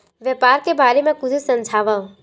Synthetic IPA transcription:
ʋjəpaːɾkebaːɾemẽkʊd͡ʒʰusə̃nd͡ʒʱaːʋa

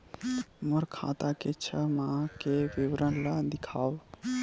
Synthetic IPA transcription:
məɾkʰa̰t̪aket͡ʃʰəmãkebiwɾənlad̪ikʰaːw

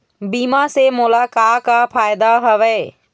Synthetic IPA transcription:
biːmasemʊlakakapʰaːjd̪aɦəʋɛː

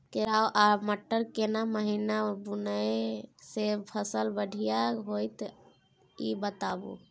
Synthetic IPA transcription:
keɾaoʔaməʈːəɾkenaməɦinabunəjsepʰəsəlbəɽʱijaɦojt̪ | ibət̪abṵ

